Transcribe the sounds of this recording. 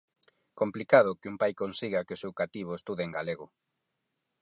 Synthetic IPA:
komplikað̞ʊkɪumpajkonsiɣakeosewkat̪iβ̞oest̪uðeŋɡaleɣ̞ʊ

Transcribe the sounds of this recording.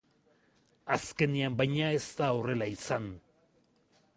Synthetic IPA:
aske̞niambajɲae̞st̪ao̞re̞laisan

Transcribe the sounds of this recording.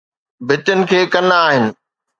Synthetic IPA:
bʱɪt̪ʊnɪ̆kʰeːkɐnaaːɦɪnɪ̆

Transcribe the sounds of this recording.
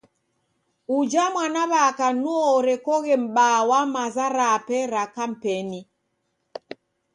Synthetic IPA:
ud͡ʒamwanaβakanuɔɾɛkɔɣɛm̩ɓawamazaɾapɛɾakam̩pɛni

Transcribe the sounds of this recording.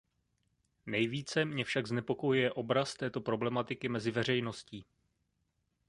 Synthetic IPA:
nɛjviːt͡sɛmɲɛfʃaɡznɛpo̞ko̞jujɛʔo̞bɾast̪ɛːt̪o̞pɾo̞blɛmat̪ɪkɪmɛzɪvɛr̝ɛjno̞sciː

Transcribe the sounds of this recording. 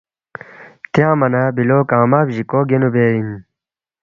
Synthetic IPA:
t̪jãːmɐnaːbiloːkãːmaːbʑikoːɡenubeːim

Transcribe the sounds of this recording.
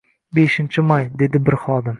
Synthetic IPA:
beʃɪnt͡ʃʰɪmajd̪e̞d̪ɪbɪɾχɒd̪ɪm

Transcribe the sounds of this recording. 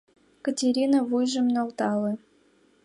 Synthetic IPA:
kətʲeɾʲinəvujʒə̆mnolt̪ɑlɤ̆

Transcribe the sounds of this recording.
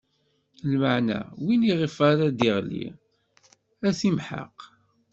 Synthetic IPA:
lməʕnæ̰winiʁifaɾæd̪iʁlḭ | æθimħa̰q

